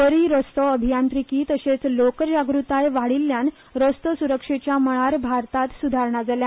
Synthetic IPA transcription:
ʋəɾiɾəst̪əəbʱijant̪ɾikiːt̪əɕet͡slokəd͡ʑaɡɾut̪ajʋaɽilːjan | ɾəst̪əsuɾəkʂet͡ɕjaməɭ̃aɾbʱaɾt̪at̪sud̪ʱaɾɳad͡zalja

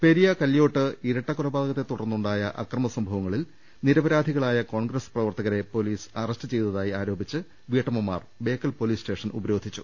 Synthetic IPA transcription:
pe̞ɾijɐkɐljo̞ːʈːɨiɾɐʈːɐkuɾɐbaːd̪ɐɣɐt̪ːe̞t̪uɽɐrnːuɳɖaːjɐʔɐ̰krɐmɐsɐmbʱɐʋɐŋːɐɭil | niɾɐbɐɾaːd̪ʱiɣɐɭaːjɐko̞ːɳɡrɐsprɐʋɐrt̪ɐɣɐɾe̞po̞liːsɐrɐstɨt͡ɕe̞jt̪ɐðaːjiaːɾo̞ːbʱit͡ɕːɨ | ʋiːʈːɐmumːa̰ːrbe̞ːkːɐlpo̞liːsʈe̞ːʂɐnṵbɐɾo̞ːd̪ʱit͡ɕːṵ

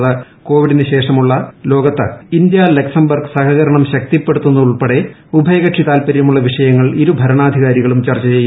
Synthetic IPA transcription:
ðɨ | ko̞ːʋiɽinɨɕe̞ːʂɐmuɭːɐlo̞ːɡɐt̪ːɨind̪jalɐksɐmbɐrɡsɐhɐɣɐɾɐɳɐmɕɐk̚t̪ipːeɽut̪ːunːuuɭpeɽe̞ | ubʱɐjɐɣɐʈʂit̪aːlpɐɾjɐmuɭːɐʋiʂɐjɐŋːɐɭiɾubʱɐɾɐɳaːd̪ʱiɣaːɾiɣɐɭumt͡ɕɐrt͡ɕːɐt͡ɕejːu

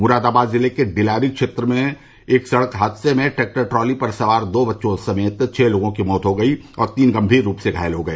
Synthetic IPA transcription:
mʊɾaːd̪aːbaːd̪zɪlekeɖɪlaːɾikʃeːt̪ɾəmẽ | eːksɐɽəkɦaːd̪semẽʈeːk̚ʈəʈɾɔːlipɐɾsɐʋaːɾd̪oːbɐtːʃõsɐmeːt̪t͡ʃʰɛːloːɡõkimɔːt̪ɦoɡɐiɔ̰ːɾt̪iːnɡɐ̃mbʱiːɾːuːpseɡʱa̰ːjəlɦoɡɐeː

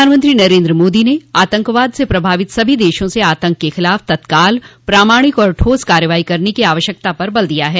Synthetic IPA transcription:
aːnmə̃nt̪ɾinɐɾẽːnd̪ɾəmoːd̪ineaːt̪ə̃ŋkʋaːd̪sepɾɐbʱaːʋɪt̪sɐbʱid̪eːʃõseaːt̪ə̃ŋkːexɪlaːft̪ɐt̪kaːlpɾaːmaːɽ̃ɪkɔːɾʈʰoːskaːɾjəʋaːikɐɾnekiaːʋəʃjək̚t̪apɐɾbɐld̪ijaɦɛː

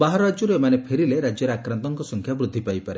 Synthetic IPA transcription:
baɦaɾɔɾad͡ʒɔɾuemanepʰeɾileɾad͡ʒjɔɾeakɾant̪ɔŋkɔsɔŋkʰjabɾud̪ʱːipajpaɾe

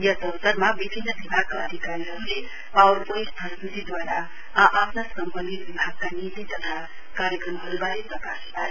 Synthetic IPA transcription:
jasəwsəɾmaʋibʱinːəbibʱaɡ̚kaəd̪ʱikaɾiɾəɾule | awɾpəispəst̪ʰit̪id̪waɾa | ʔapnasəmpənːiʋibʱaɡ̚kanit̪it̪ʌt̪ʰa | kaɾjəkɾəmɦəɾubalepɾɐkaspaɾe

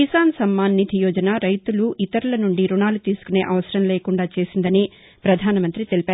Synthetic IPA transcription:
isaːnsɐmːaːnːit̪ʰijɔːd͡ʒɐnaːɾɐjt̪uluʔit̪ɐɾulɐnuɳɖiɾuɳaːlut̪iːsu̥kune̞ːʔɐʋɐsɐɾɐmleːkuɳɖaːt͡ʃe̞ːsind̪ɐni | pɾɐd̪ʱaːnɐmɐnt̪ɾit̪e̞lipaːɾ

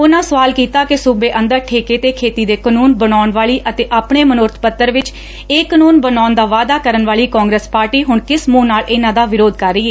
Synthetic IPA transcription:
ʊnãːsəʋaːlkiːt̪aːkɪsʊbeːʔənd̪əɾʈʰeːkeːt̪eːkʰeːt̪iːd̪eːkənuːnbənaːɳʋaːɭiːʔət̪eːʔaːpɳeːmənʊɾt̪ʰpət̪ːəɾʋɪt͡ʃ | eːkənuːnbənaːʊnd̪aːʋaːd̪aːkəɾənʋaːliːkaːŋɡɾeːspaːɾʈiːɦʊɳkɪsmũːnaːlʔɪnãːd̪aːʋɪɾoːd̪kəɾːiːeː

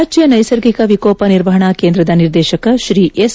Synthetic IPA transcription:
d͡ʒjɐnɐjsɐɾɡikɐʋikoːpɐniɾʋɐɦɐɳɐkeːnd̪ɾɐd̪ɐniɾd̪ɛːʃɐkɐʃɾiːʔes

